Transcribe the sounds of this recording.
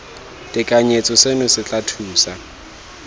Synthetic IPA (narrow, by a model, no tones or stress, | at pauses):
tʼɪkʼaɲet͡sʼɔsenʊsɪt͡ɬʼatʰuːsa